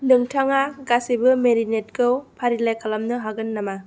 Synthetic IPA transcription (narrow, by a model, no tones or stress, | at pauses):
nɯŋtʰaŋaɡasibɯmeɾinet̚kʰɯwpʰaɾilajkʰalamnɯɦaɡɯnːama